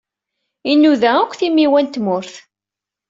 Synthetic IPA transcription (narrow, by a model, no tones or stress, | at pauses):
inːuðæækʷːθimːiwænt̪mʊɾθ